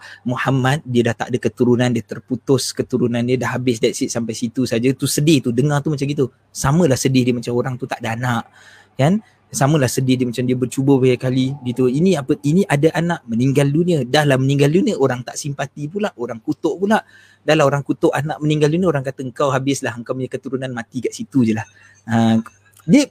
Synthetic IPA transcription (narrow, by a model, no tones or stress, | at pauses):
muhamat̪̚diədaht̪a̰ʔdəkət̪uɾunãndiət̪ərput̪ʊskət̪uɾunãndiədahɦabɪsdajʔsiʔsampajsit̪usad͡ʒat̪usədɪht̪udəŋart̪umat͡ʃamɡit̪u | samə̃lahsədɪhdiəmat͡ʃamoɾaŋt̪ut̪aʔdaanaʔ | kan | samə̃lahsədɪhdiəmat͡ʃamdiəbərt͡ʃubəbaɡakaliɡit̪uinĩapəʔinĩʔadaʔanaʔməniŋɡaldunĩə̃dahlahməniŋɡaldunĩə̃oɾaŋt̪aʔsimpat̪ip̬ulaʔoɾaŋkut̪oʔpulaʔ | dahlahoɾaŋkut̪ʊʔanaʔməniŋɡalduniəoɾaŋkat̪əəŋkawɦabɪslaɦəŋkawməɲəkət̪uɾunanmat̪ikaʔsit̪ud͡ʒəlah | ə | diə